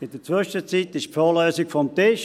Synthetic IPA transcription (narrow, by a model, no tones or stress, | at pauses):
ɪdət͡sʋʏʃət͡siːt̪ɪʃfoːløːsɪkfɔmtɪʃ